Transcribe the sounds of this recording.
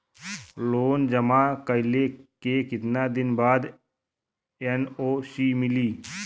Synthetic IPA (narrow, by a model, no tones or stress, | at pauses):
loːnd͡ʒəmaːkəɪlekekɪt̪naːd̪ɪnbaːd̪ | enoːsiːmɪliː